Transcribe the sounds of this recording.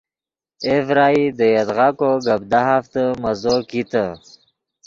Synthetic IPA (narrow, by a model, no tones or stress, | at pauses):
evɾaːid̪əjed̪ʁakoɡəb̚d̪aɦaft̪əmazokit̪ə